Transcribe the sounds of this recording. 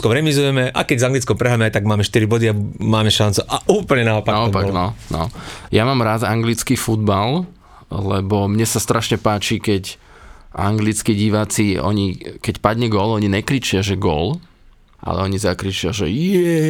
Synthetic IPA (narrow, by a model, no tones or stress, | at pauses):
kɔmɾɛmizujɛmɛʔa̰kɛɟzaŋɡlit͡skɔmpɾɛɦaːmɛajt̪aɡ̚maːmɛʃt̪iɾibɔd̪iabmaːmɛʃant͡suʔaʔuːpl̩ɲɛnaɔpanaɔpaɡnɔnɔ̰jamaːmɾazaŋɡlit͡skifud̪̚bal | lɛbɔmɲɛsast̪ɾʔaʃɲɛpaːt͡ʃikɛc | ʔa̰ŋɡlit͡skiɟiʋaːt͡siɔ̰ɲikɛcpad̪ɲɛɡɔlɔɲiɲɛkɾit͡ʃɪaʒɛɡɔ̰l | ʔa̰lɛ̰ɔɲizakɾit͡ʃɪaʒɛjɛ